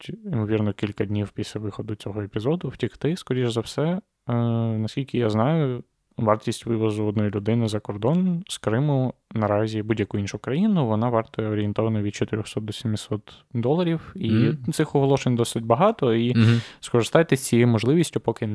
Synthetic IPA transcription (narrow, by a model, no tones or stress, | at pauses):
imɔʋʲirnɔkʲilʲkɐd̪ʲnʲiwpʲisʲlʲɐʋɪxɔd̪ʊt͡sʲɔɦɔepʲizɔd̪ʊwtʲixt̪ɪskɔɾʲiʒzɐwsɛ | nɐsʲkʲilʲkɪjaznɑjʊ | ʋɑrtʲisʲtʲʋɪʋɔzʊɔd̪nɔjilʲʊd̪ɪnɪzɐkɔrd̪ɔnskɾɪmʊnɐɾɑzʲibudʲjɐkʊinʃʊkɾɐjinʊʋɔnɑʋɑrt̪ɔjɛɔɾʲɪent̪ɔʋɐnɐʋʲid̪̚t͡ʃɔt̪ɪɾʲɔxsɔt̪̚d̪ɔsʲimɪsɔt̪ | d̪ɔlˠɐɾʲiwit̪sɪxɔɦɔlˠɔʃenʲd̪ɔsɪdʲbɐɦɑt̪ɔiskɔɾɪst̪ɑjt̪ɪsʲt͡sʲijɛmɔʒlˠɪʋʲisʲtʲʊpɔkɪ